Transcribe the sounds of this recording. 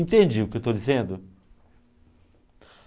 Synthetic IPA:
ĩt̪ẽnd͡ʒiʊkɪewt̪od͡ʒizẽnd̪ʊ

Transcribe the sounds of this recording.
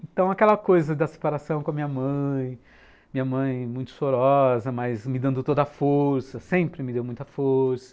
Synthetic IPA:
ẽt̪ɐ̃w̃ɐkɛlɐkojzɐd̪ɐse̥paɾasɐ̃w̃kõɐmĩɲɐmɐ̃j̃ | mĩɲɐmɐ̃j̃mũj̃t̪ʊ̥soɾɔzɐmɐjzmɪd̪ɐ̃nd̪ʊt̪od̪ɐfoɾsɐsẽmpɾɪmɪd̪ewmũj̃t̪ɐfoɾsɐ̥

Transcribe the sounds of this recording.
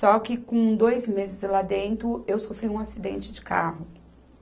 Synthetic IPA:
sɔkɪkõd̪ojzmezɪzlad̪ẽnt̪ɾʊewsofɾiũasid̪ḛ̃nt͡ʃɪd͡ʒɪka̰ɦʊ

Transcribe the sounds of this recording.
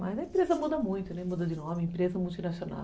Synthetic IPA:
mɐjzɐẽpɾezɐmud̪ɐmũj̃t̪ʊnɛ̃mud̪ɐd͡ʒɪnɔmɪẽpɾezɐmult̪inasiona̰

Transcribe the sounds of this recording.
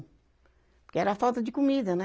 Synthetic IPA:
kɛɾɐafawt̪ɐd̪ɪkumiðɐnɛ

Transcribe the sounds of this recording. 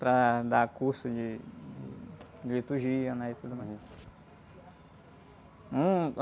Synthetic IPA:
pɾɐd̪akuɾsʊd͡ʒɪd͡ʒɪ̰d͡ʒlit̪uɾʒiɐnɛit̪ud̪ʊma | ũ

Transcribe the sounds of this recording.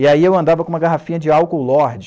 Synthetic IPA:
iaiewɐ̃nd̪avɐkõũmɐɡaɦafĩɲɐd͡ʒɪawkowlɔɾd͡ʒɪ

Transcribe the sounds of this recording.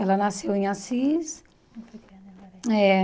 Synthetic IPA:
ɛlɐnasewẽj̃asis | ɛ

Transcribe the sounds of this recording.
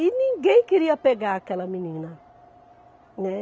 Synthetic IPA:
inĩŋɡẽkeɾiapeɡaːkɛlamĩnĩŋnã | nɛ

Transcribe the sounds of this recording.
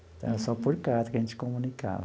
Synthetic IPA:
t̪ã̰sɔpuɾkat̪akent͡ʃi̥komũnika̰

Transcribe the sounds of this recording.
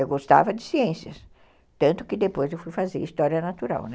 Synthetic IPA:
ewɡost̪a̰vɐd͡ʒɪsiẽsiɐs | t̪ɐ̃nt̪ʊ̥kɪd̪epojzewfujfazeɾist̪ɔɾiɐnat̪uɾa̰wnɛ

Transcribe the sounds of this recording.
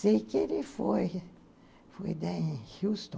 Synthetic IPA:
sejkɪelɪfoj | fojd̪ẽhist̪õ

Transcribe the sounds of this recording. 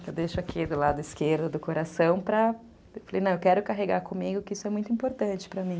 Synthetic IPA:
ewd̪ejʃʊakʰid̪ʊlad̪ʊɪskeɾd̪ʊd̪ʊkoɾasɐ̃w̃pɾɐ | ewfalḛjnɐ̃w̃ewkɛɾʊkaɦeɡaɾkõmiɡʊkɪisʊɛmũj̃t̪ʊĩpoɾt̪ɐ̃nt͡ʃɪ̥pɾɐmĩ

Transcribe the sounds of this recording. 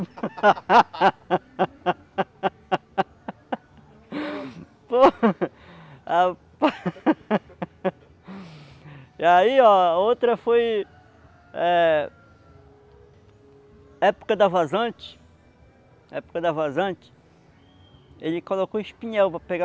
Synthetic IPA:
po | apa | iaiɔot̪ɾɐfoj | ɛ | ɛpu̥kɐd̪ɐvazɐ̃t͡ʃɪ̥ | ɛ̰pu̥kɐd̪ɐvazɐ̃t͡ʃɪ̥ | elɪkolokoiʃpĩɲɛwpɾɐpeɡa

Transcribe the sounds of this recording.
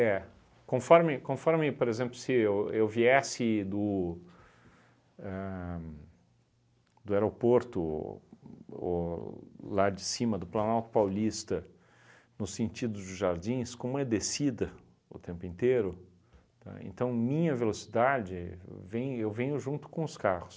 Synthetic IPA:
ɛ | kõfɔɾmɪkõfɔɾmɪpoɾezẽmplʊsɪewewviɛsɪd̪ʊ | ɛ | d̪ʊeɾopoɾt̪ʊ | o̰ | lad͡ʒɪsĩmɐd̪ʊplanawt̪ʊ̥pawlist̪ɐ | nʊsẽnt͡ʃid̪ʊzd̪ʊzʒaɾd͡ʒĩskõmʊɛd̪esid̪ɐ | ʊ̰t̪ẽmpʊẽnt̪eɾʊ | t̪a̰ḛ̃nt̪ɐ̃w̃mĩɲɐvelosi̥d̪ad͡ʒɪvẽj̃ewvẽɲʊʒũnt̪ʊ̥kõʊskahʊs

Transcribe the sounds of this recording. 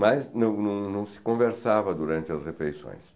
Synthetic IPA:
maznɐ̃w̃nɐ̃w̃nɐ̃w̃sɪ̥kõveɾsavɐd̪uɾɐ̃nt͡ʃɪɐsʁefejsõ̰j̃s

